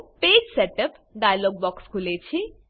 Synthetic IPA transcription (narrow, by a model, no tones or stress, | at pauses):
ped͡ʒseʈəp | ɖajaloɡ̚bɔkskʰulet͡sʰi